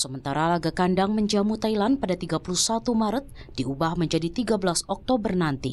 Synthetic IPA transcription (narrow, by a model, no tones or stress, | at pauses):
səmənt̪aɾalaɡakandaŋməɲd͡ʒamut̪ailanpadat̪iɡapuluhsat̪umaɾət̪̚ | diubahməɲd͡ʒadit̪iɡabəlasɔk̚t̪obərnant̪ḭ